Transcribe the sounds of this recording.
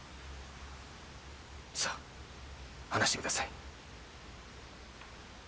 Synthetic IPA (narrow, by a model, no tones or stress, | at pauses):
sa | hanaɕit̪ekɯ̟d̪asai